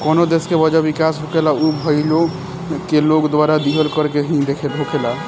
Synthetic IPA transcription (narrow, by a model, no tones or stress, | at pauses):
kɔːnod̪eskebəd͡ʒaʋikasɦokelaubʱəɪlo | kelokd̪waːɾad̪iɦəlkəɾkeɦĩd̪ekʰelɦokʰela